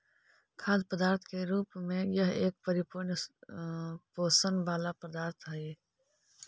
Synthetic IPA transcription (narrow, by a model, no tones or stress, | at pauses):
kʰaːd̪pəd̪aːɾt̪ʰkeɾuːpmẽjəɦeːk̚pəɾɪpʊɾn | poːsənbaːlapəd̪aːɾt̪ʰɦəi